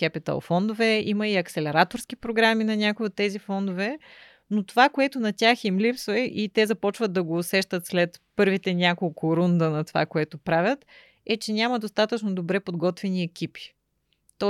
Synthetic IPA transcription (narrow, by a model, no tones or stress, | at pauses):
kɛpit̪ə̰lˠfɔnd̪ovɛimɐiɐksɛlɛɾat̪oɾskipɾoɡɾaminɐnʲakʊiot̪ːɛzifɔnd̪ovɛ | not̪ovakoɛt̪onɐt̪ʲjaximlipsvɐʔit̪ɛzɐpɔt͡ʃvəd̪ːɐɡoːsɛʃt̪ət̪slɛt̪pɤɾvit̪ɛnʲakolˠkʊɾund̪ənɐt̪ova̰koɛt̪opɾavʲət̪ | ɛt͡ʃɛnʲamɐd̪ost̪at̪ət͡ʃnod̪obɾɛpod̪ɡɔt̪vɛniɛkʲipi̥ | t̪ɔ